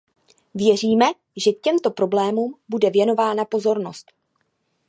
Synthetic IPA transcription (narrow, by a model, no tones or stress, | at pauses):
vjɛr̝iːmɛ | ʒɛkcɛmt̪o̞pɾo̞blɛːmuːmbudɛvjɛno̞vaːnapo̞zo̞ɾno̞st̪